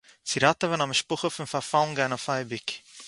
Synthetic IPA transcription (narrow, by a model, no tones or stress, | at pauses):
t͡siɾatəvanaməʃpʊχəfʊnfafalˠnɡanɔfajbɪk